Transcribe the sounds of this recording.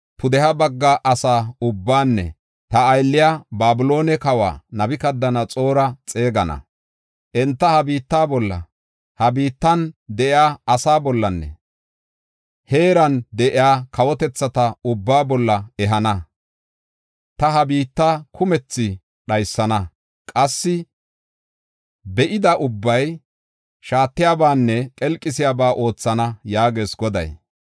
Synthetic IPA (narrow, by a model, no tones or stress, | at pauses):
pʰʊd̪ɛhɐbɐɡːɐʔɐsaːʊbːaːnːɛ̰ | t̪ɐːjlːɪjaːbaːbʊlo̞ːnɛkɐwa̰ːnɐbɪkɐd̪ːɐnɐt͡sʼo̞ːɾɐt͡sʼe̞ːɡɐnɐ̰ | ʔɛnt̪ːɐhɐbiːt̪ːaːbɔlːɐ̰ | hɐbiːt̪ːɐnd̪ɛʔɪjaːɐsaːbɔlːɐnːɛ̰ | he̞ːɾɐnd̪ɛʔɪjaːkɐwɔt̪ɛt͡sːɐt̪ɐʊbːaːbɔlːɐɛɦɐnɐ | t̪ɐɦɐbiːt̪ːakʰʊmɛt͡sːɪ | ɗɐjsːɐnɐ | kʼɐsːɪ | bɛʔɪd̪ɐʔʊbːɐj | ʃaːt̪ːɪjaːbaːnːɛkʼɛlkʼːɪsɪjaːbaːʔo̞ːt͡sːɐnɐjaːɡe̞ːsɡɔd̪ɐ̰j